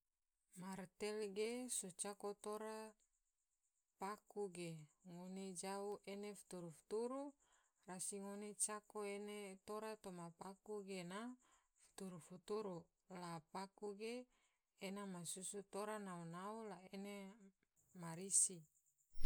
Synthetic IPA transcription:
mart̪ɛlɡesot͡ʃakot̪oɾa | pakuɡeŋoned͡ʒauʔenefu̥t̪uɾufu̥t̪uɾu | rasiŋonet͡ʃakoenet̪oɾat̪omapakuɡena | fu̥t̪uɾufut̪uɾu | lapakuɡe | enamasusut̪oɾanaunaulaene | maɾisi

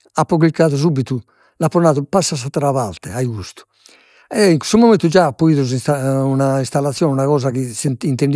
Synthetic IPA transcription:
apːɔɣlikːaːðus̬ubit̪u | lapːɾɔnaːðupasːasat̪ɾaβa̰lt̪ɛaiɣust̪u̥ | ɛiŋku̥st̪umɔment̪ud͡ʒaːpːoiːðuz̬isaunaist̪alːat̪sːjɔːnɛunaɣɔːzakisenint̪end̪

